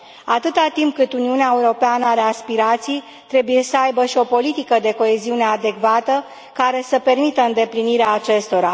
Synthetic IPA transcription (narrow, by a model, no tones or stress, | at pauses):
at̪ɨt̪at̪imp̚kɨt̪uniuneaeuɾo̞peanəaɾe̞aspiɾat̪sij | t̪ɾe̞buje̞səajbəʃio̞po̞lit̪ikəd̪e̞ko̞e̞ziune̞ad̪e̞kvat̪ə | kaɾe̞səpe̞rmit̪əɨnd̪e̞pliniɾeaːt͡ʃe̞st̪o̞ɾa